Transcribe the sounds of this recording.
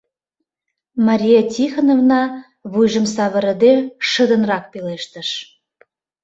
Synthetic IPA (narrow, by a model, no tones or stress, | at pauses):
mɑɾʲijetʲixənovnɑ | βujʒə̆msɑβə̆ɾə̆d̪eʃə̆d̪ə̆nrɑk̚peleʃt̪ə̆ʃ